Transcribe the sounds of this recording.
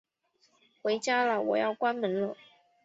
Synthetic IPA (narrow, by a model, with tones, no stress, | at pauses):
xwe˧˥ɪt͡ɕja˥lə˨wɔ˨˩jɑ˥˩ʊkwa˥nmə˧˥ŋlə˧